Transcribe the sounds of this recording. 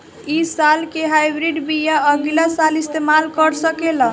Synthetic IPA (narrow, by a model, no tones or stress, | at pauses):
isalkeɦajbɾiɖbijaəɡilasalist̪emalkəɾsəkelə